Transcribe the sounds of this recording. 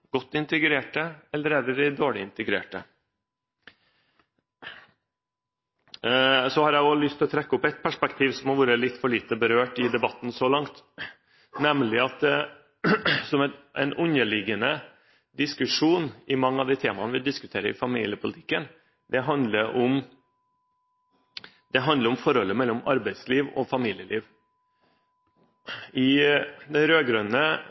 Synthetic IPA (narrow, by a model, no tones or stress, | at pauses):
ɡ̥ɔt̪ːɪnt̪əɡɾeːʈəɛlːəɾeːd̪əd̪ɪd̪oːɭɪɪnt̪əɡɾḛːʈə̰ | sɔhɑɾjæɪɔlʏst̪ʰɔt̪ʰɾɛkːəɔpɛt̪̚pʰæʂpɛkt̪ʰiːʋsɔmhɑɾʋuːɾəlɪt̪ːfɔɭiːt̪əbəɾøːʈɪd̪ɛbɑt̪ːn̩sɔlɑŋt̪ | nɛmlɪɑt̪̚ɛ | sɔmɛt̪ʔɛ̰ɪnʔʉnəlɪɡənə | d̪ɪskʉʂuːnʔɪmɑŋːəɑʋd̪iːt̪ʰeːmɑnəʋɪld̪ɪskʉt̪ʰeːɾəɪfɑmḭːlɪəpʰʊlɪt̪ʰɪ̥kːən | d̪ɛɦɑnd̪ləɾʔɔm | d̪ɛɦɑnd̪ləɾɔmfɔɾɔlːəmɛlːɔmɑɾbæɪd̪sliːʋɔ̰fɑmiːljəlʔiːʋ | ɪd̪ɛɾøːɡɾœnə